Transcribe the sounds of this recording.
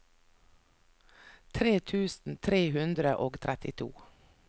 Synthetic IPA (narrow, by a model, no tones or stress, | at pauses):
t̪ʰɾeːt̪ʰʉːsn̩t̪ʰɾeːhʉnd̪ɾəʔoːɡt̪ʰɾɛt̪ɪt̪ʰṵː